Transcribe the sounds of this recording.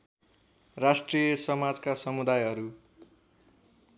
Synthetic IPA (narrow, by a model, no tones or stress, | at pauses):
rasʈrijʌsʌmad͡zkasʌmud̪ajɦʌɾu